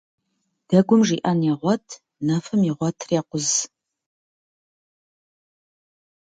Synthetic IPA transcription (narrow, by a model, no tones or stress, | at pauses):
d̥ɐɡʷʊmʐiːʔɐnjɛʁʷɔtʰ | nɐfɨmiʁʷɔtʰreːqʷʊz